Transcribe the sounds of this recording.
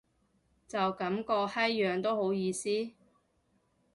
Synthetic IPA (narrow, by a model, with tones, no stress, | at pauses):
t͡sɐ˨wkɐ˨˥mkɔː˧hɐ˥jːœː˨ŋt̪o˥who˨˥wjiː˧siː˥